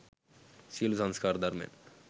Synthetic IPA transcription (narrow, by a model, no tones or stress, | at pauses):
silusaŋskaɾd̪aɾmḛn